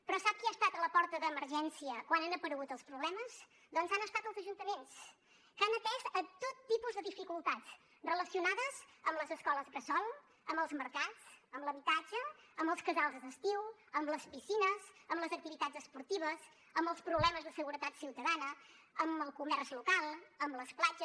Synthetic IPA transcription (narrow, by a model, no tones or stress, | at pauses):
pɾɔsap̚kiast̪at̪ələpɔɾt̪əðəːməɾʒɛnsiəkwananəpəɾəɣut̪əlˠspɾuβlɛməz̥ | d̪ɔnzanəst̪at̪əlˠzəʒunt̪əmens | kanət̪ɛzət̪ot̪ːipuzðəðifikulˠt̪att͡s | rələsiunaðəzə̰mləzəskɔləzɣəsɔlˠ | əmbəlˠzməɾkat͡səmləβit̪ad͡ʒəːmbəlˠskəzalˠzd̪əst̪iwəmləspisinəzəmləzək̚t̪iβit̪azəspuɾt̪iβ̞əz | əmbəlˠspɾuβlɛməzðəsəɣuɾət̪at̪siwt̪əðanə | əməlˠkumɛɾzlukalˠəmbləsplad͡ʒə